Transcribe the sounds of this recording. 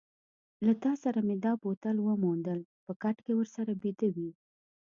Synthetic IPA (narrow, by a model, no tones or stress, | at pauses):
lat̪ɑsaɾamed̪ɑpot̪alwəmund̪əlpəkaʈkewəɾsaɾabed̪əwi